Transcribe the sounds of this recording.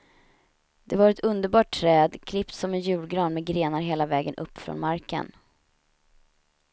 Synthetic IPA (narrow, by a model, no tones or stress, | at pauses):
d̪̥ɛvaɾɛt̪ɵnd̪əɾbɑːʈʰːɾɛːd̪kʰlɪpt̪sɔmɛnjʉ̟ːlɡɾɑːnmɛɡɾeːnaɾɦeːlavɛːɡənʔɵpːfɾɔ̰nmaɾkə̰n